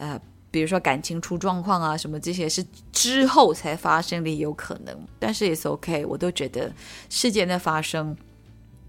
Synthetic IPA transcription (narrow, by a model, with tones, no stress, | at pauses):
ə˧ | pi˨˩ɻu˧˥ʂ̬wɔ˥ka˨˩nt͡ɕʰi˧˥ŋʈ͡ʂʰu˥ʈ͡ʂwɑ˥˧ŋkʰwɑ˥˩ŋɐ˩ʂə˧˥nmə˧ʈ͡ʂɤ˥˩ɕ̬jɛ˥ʂɻ̩˥˩ | ʈ͡ʂɻ̩˥xo˥˩ʊt͡sʰa˧˥ɪfa˥ʂɤ˥ŋli˨˩jo˧˥ʊkʰɤ̰˨˩nɤ̰˧˥˦ŋt̪a˥˧nʂɻ̩˥˩jɛ˨˩ʂ̩˥˩o̰˧˥ʊkʰe˥ɪwʔɔ̰˨˩t̪o˥˩ʊt͡ɕɥɛ˧˥d̪ə̰˧ʂɻ̩˥˧t͡ɕjɛ˥˩nə˥˩fa˥ʂɤ˥ŋ